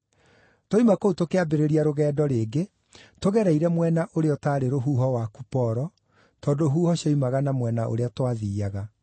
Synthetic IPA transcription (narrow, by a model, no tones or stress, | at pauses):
toimakoutokeabeɾeɾiaɾoɣɛːdɔɾeːɡe | toɣɛɾɛiɾɛmwɛnaʔoɾeɔtaːɾeɾoɦuːɦɔwakupɔɾɔ | tɔːdoɦuːhɔɕɔimaɣanamwɛnaʔo̰ɾeatwaðiːaɣa